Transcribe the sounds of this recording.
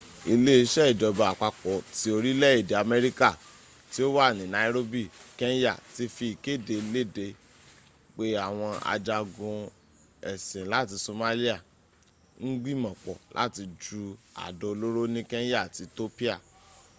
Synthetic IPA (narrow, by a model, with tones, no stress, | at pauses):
i˧le˦i˧ʃɛ˦i˦˨d͡ʒɔ˨ba˨a˨k͡pa˧k͡pɔ˨ti˧o˧ɾi˦lɛ˦i˦˨de˨a˨mɛ˦ɾi˦ka˦˨ | ti˦o˦wa˦˨nĩ˨na˨i˦ɾo˦bi˦˨kɛ˦n˦ja̰˦˨ti˧˦fi˧i˨ke˦˨de˧˦le˦˨de˧ | k͡pe˦a˦˨w̃ɔ̃˧a̰˧d͡ʒa˧ɡũ˧ | ɛ˨sĩ˨la˦ti˧so˧ma˦li˦a˦˨ | n̩˦ɡ͡bĩ˦mɔ̃˨k͡pɔ̰˨la̰˦ti˧d͡ʒu˧a̰˨dɔ˧o˧lo˦ɾo˦nĩ˦kɛ˦n˦ja˦˨ti˨˧to˦pi˦a˦˨